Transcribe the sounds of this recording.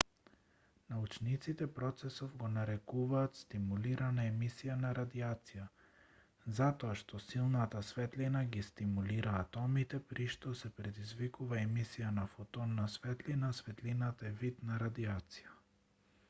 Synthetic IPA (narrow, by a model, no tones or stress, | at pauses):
naut͡ʃnit̪sit̪ɛpɾɔt̪sɛsɔvɡɔnaɾɛkuvaːt̪st̪imuliɾanaɛmisijanaɾad̪iat̪sija | zat̪ɔaʃt̪ɔsilˠnat̪asvɛt̪linaɡist̪imuliɾʔaːt̪ɔmit̪ɛpɾiʃt̪ɔsɛpɾɛd̪izvikuvaɛmisijanafɔt̪ɔnːasvɛt̪linasvɛt̪linat̪aɛvit̪naɾad̪iat̪si̥ja